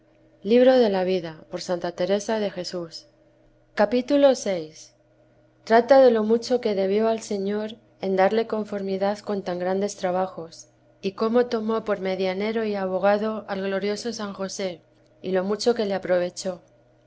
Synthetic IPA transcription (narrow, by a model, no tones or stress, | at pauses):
liβɾo̞ð̞e̞laβ̞iðapo̞ɾsant̪at̪e̞ɾe̞sað̞e̞xe̞sus | kapit̪ulo̞se̞js | t̪ɾat̪aðe̞lo̞mut͡ʃo̞ke̞ðe̞β̞jo̞alse̞ɲo̞ɾ | e̞nd̪aɾle̞ko̞ɱfo̞ɾmiðaðko̞nt̪aŋɡɾand̪e̞st̪ɾaβ̞axo̞s | iko̞mo̞t̪o̞mo̞po̞ɾme̞ðjane̞ɾo̞iaβo̞ɣ̞aðo̞ʔalɣlo̞ɾjo̞so̞saŋxo̞se̞ | ilo̞mut͡ʃo̞ke̞le̞apɾo̞β̞e̞t͡ʃo̞